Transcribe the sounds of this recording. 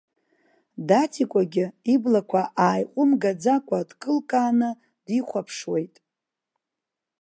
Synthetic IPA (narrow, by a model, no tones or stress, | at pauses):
datʰikʷʼaɡʲɪiblakʷʰaʔaːjqʷʼʊmɡad͡zakʷʼadkʼɨlkʼaːnɨ | d̥iχʷapʰʂwe̞jtʼ